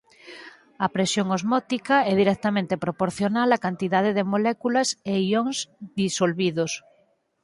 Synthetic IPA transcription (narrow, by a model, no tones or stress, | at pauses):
ɐpɾesjoŋozmɔt̪ikaɛðiɾɛk̚t̪amẽnt̪epɾopoɾθjonalakant̪iðað̞eðemolɛkulaseioŋzðisolβiðos